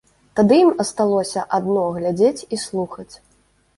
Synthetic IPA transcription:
t̪ad̪ɨjimɐst̪alˠɔsʲɐʔad̪nɔɣlʲad͡zʲet͡sʲislˠuxɐt͡sʲ

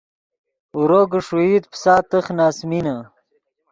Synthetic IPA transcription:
uɾoɡəʂuit̪psaːt̪əχnaːsmina

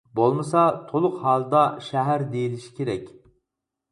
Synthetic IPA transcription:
bolˠmɨsɑt̪ʰolˠʊqhɑːlˠd̪ɑʃɛɦæɾd̪ejiliʃi̥kʰʲeɾɛkʲ

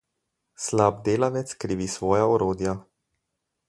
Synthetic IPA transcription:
slab̚d̪eːlaʋɛt̪skɾiːʋisʋɔːjaɔɾoːd̪ja

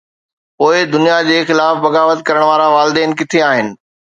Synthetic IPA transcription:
poːɪd̪ʊnijad͡ʑeːxɪlaːfbɐɡaːʋət̪kɐɾəɽ̃ʋaːɾaʋaːlɪd̪ɛːnɪkɪt̪ʰeaːɦɪnɪ̆

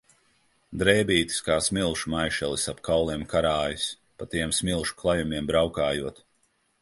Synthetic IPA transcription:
d̪ɾɛːbʲiːt̪i̥skaːsmilˠʃumajʃɛlˠisapkawlˠiɛmkʰaɾaːjus | pat̪iɛmsmʲilˠʃu̥klˠajumiɛmbɾawkaːjuɔt̪

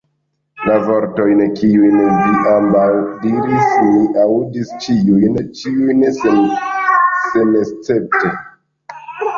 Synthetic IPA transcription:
lavo̞ɾto̞jnkiujnviʔambawdiɾismiʔaudist͡ʃiujnt͡ʃiujns | se̞mest͡se̞p̚te

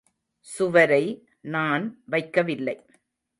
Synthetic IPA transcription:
sʊʋɐɾɐɪ | naːnʋɐɪkːɐʋɪlːɐɪ

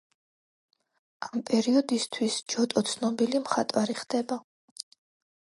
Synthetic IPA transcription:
ampʼɛɾiɔd̪ist̪ʰwisd͡ʒɔt̪ʼɔt̪sʰnɔbilimχat̪ʼwaɾiχd̪̥ɛba

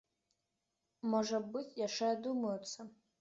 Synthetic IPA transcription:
mɔʐɐbɨt͡sʲʰjaʂɛd̪umɐjt̪sʰɐ

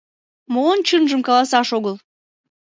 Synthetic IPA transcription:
moːnt͡ɕənʒəmkɑlɑsɑʃoɣəlˠ

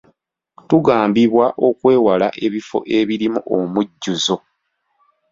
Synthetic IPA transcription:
tuɡaːmbiβwaʔo̞kwe̞ːwalaʔe̞βifo̞̰ʔe̞βiɾimuʔomuɟːuzo̞

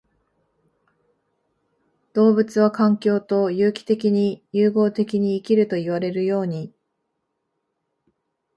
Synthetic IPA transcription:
d̪̥o̞ːbɯ̟t͡sɨβ̞akãŋkʲo̞ːt̪o̞jɯːkʲi̥t̪e̞kʲiɲ̟ijɯːɡo̞ːt̪e̞kʲiɲ̟iːkʲiɾɯ̟t̪o̞iβaɾe̞ɾɯ̟jo̞ːɲ̟i

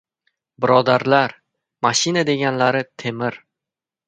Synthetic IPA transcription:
bɪɾɒd̪aɾlaɾ | maʃɪnad̪e̞ɡʲanlaɾɪt̪ʰe̞mɪɾ

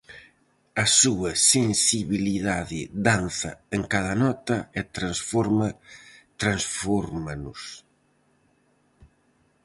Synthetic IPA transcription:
ɐsuɐsensiβiliðaðɪd̪anθɐeŋkaðɐnɔt̪ɐet̪ɾansfɔɾmɐt̪ɾansfɔɾmanʊs

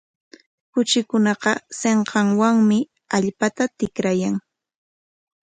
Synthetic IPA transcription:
kʊt͡ʃɪkʊnɑqɑseɴqɑŋwaŋmɪ | aʎpat̪at̪ɪkɾajaŋ

